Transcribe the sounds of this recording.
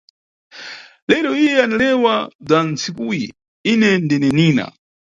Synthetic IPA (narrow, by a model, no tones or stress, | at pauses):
lɛɾɔijɛanalɛwad͡zant͡sikujḭ | inɛndinɛniːna̰